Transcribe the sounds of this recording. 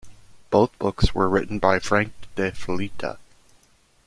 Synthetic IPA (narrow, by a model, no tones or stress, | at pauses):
b̥oʊθb̥ʊkswə̰˞ɹɪʔn̩baɪfɹæ̃ŋk̚d̥ɛflitʰə̰